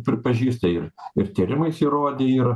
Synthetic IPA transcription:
pʲɾʲɪpɐʒʲiːst̪ɐɪrɪrt̪ʲiːɾʲɪmɐɪsʲiɾoːd̪ʲeːiːɾ

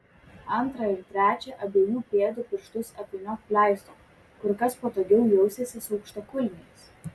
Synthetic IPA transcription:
ɐnˑt̪ɾɐɪɾt̪ʲɾʲæːt͡ʃʲɛʔɐbʲeːjuːpʲeːd̪ʊpʲɪɾʃt̪ʊsɐpʲenʲɔkpʲlʲæˑɪst̪oː | kʊɾkɐspoːt̪oːɡʲɛʊjɛʊsʲeːsʲɪsuːkʃt̪ɐkʊlʲnʲɪɪs

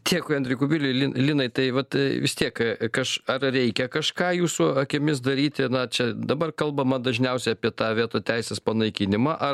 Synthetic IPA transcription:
t̪ʲʰiɛkʊɐnʲd̪ʲɾʲɪkʊbʲiːlʲɪlʲinlʲiːnɐɪt̪ɐɪʋɐt̪ʋʲɪst̪ʲiɛkkɐʃɐrrʲɛɪkʲɛkɐʃkɑːjuːsʊɐkʲɪmʲɪs̬d̪ɐɾʲiːt̪ʲɪnɐt͡ʃʲɛd̪ɐbɐrkɐlˠbɐmɐd̪ɐʒʲnʲɛʊsʲɛɪɐpʲiɛt̪ɑːʋʲiɛt̪oːt̪ʲɛɪsʲeːspɐnɐɪkʲɪnʲɪmɐʔɐ

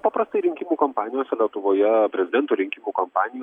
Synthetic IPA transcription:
pɑpɾɐst̪ɐɪɾʲɪŋʲkʲimuːkɐmpɑːnʲɪjoːsʲɛlʲiɛt̪ʊʋoːjɛpʲɾʲɛzʲɪd̪ʲɛnt̪uːɾʲɪŋʲkʲimuːkɐmpɑːnʲɪjoː

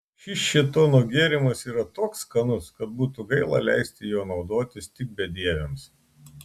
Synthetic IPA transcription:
ʃʲɪsʃʲit̪oːnoːɡʲeːɾʲɪmɐsiːɾɐt̪oːkskɐnʊskɐt̪̚buːt̪ʊɡɐɪlˠɑ̰lʲæ̰ˑɪsʲt̪ʲɪjoːnɒʊd̪oːt̪ʲɪst̪ʲɪk̚bʲɛd̪ʲiɛʋʲɛms

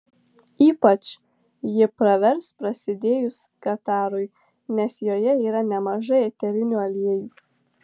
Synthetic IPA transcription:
iːpɐt͡ʃ | jɪpɾɐʋʲɛɾspɾɐsʲɪd̪ʲeːjʊskɐt̪ɑːɾʊɪ | nʲɛsjoːjɛiːɾɐnʲɛmɐʒɐɪɛt̪ʲɛɾʲɪnʲuɐlʲiɛjuː

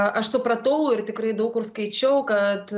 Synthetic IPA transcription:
ʔɐʃt̪opɾɐt̪oːlɪrt̪ʲɪkɾɐɪd̪ɐʊkʊrskɐɪt͡ʃʲɛʊkɐt̪

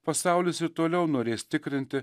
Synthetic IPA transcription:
pɐsɑˑʊlʲɪsɪɾt̪oːlʲɛʊnoːɾʲeːst̪ʲɪkɾʲɪnʲt̪ʲɪ

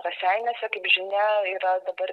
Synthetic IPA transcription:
kɐːsʲæɪnʲɛsʲɛkɐɪpʒʲɪnʲɛiːɾɐd̪ɐbɐɾ

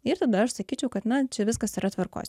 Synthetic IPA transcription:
ɪɾt̪ɐd̪ɐɐʃsɐkʲiːt͡ʃʲɛʊkɐt̪nɐt͡ʃʲɛʋʲɪskɐsiɾɐt̪ʋɐrko̰ːsʲ

